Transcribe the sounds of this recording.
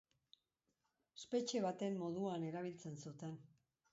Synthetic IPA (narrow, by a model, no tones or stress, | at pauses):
espe̞t͡ʃe̞β̞at̪e̞mmo̞ð̞uane̞ɾaβ̞ilt͡se̞nsut̪e̞n